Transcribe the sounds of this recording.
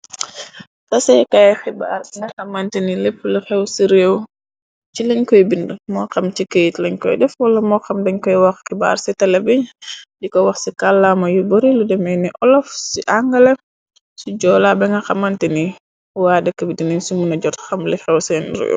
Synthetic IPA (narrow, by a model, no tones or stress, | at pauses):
tɐsɛjkajxiba̰ːrŋɡɐxɐmɐntinilepːlixɛwsiɾeːw | t͡ʃilɐɲkɔjbindmɔːxɐmcikəjitlɛɲkɔ̰jdɛfwɐlːɐmɔxɐmdɐɲkɔjwɐxxiba̰ːɾsɛtɐlɐbiɲdikɔwɐxsikalːamɐjubɐɾiludɛmɛjnɛʔɔlɔfsiʔaŋɡɐlɛ | suɟɔːlabɛŋɡɐxɐmɐntini | wadəkːəbidinɛɲsumunɐɟɔtxɐmlixɛwsɛːnɾḛw